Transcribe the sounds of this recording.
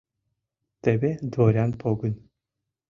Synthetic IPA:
t̪ɛbɛd̪voɾʲanpʰoɡun

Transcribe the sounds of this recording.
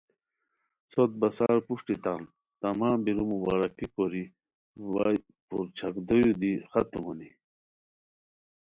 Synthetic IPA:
sot̪̚bɐsaːɾpuʂʈit̪an | t̪ɐmaːmbiɾumubaːɾɐkikoɾi | wa | puɾt͡ɕʰɐkd̪ojud̪ixɐt̪umuni

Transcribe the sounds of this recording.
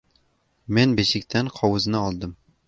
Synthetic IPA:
menbeʃɪkʲt̪ʰænqʰɒwɨznɨɒlˠd̪ɨm

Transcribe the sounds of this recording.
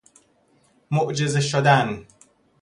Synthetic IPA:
moʔd͡ʒezeʃod̪æn

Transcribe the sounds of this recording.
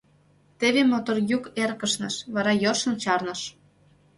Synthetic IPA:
t̪eβemot̪orjukerkə̆ʃnɤ̰̆ʃβɑɾɑjorʃə̆nt͡ɕɑrnɤ̆ʃ

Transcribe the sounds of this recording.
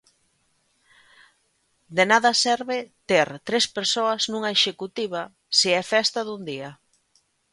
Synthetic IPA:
d̪enaðɐsɛɾβɪt̪eɾt̪ɾespeɾsoɐznũŋaeʃekut̪iβ̞a | siɛfɛst̪aðund̪iɐ

